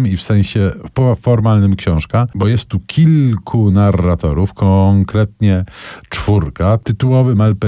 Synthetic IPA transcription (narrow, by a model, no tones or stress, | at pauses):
mifsɛ̃ɕɛpɔfɔɾmalnɘmkɕɔ̃w̃ʂkabɔjɛst̪ːukʲʰilkʰunarːat̪ɔɾufkɔŋkɾɛt̪ɲɛt͡ʂfuɾkat̪ɘt̪uwɔvɘmɛlpɛ